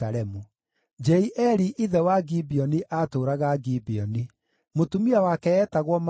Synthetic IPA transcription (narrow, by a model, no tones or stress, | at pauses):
aɾɛmu | d͡ʒɛiʔɛɾiʔiðɛwaɡibiɔniʔatoːɾaɣaɡibiɔni | motumiawakɛɛːtaɣwɔm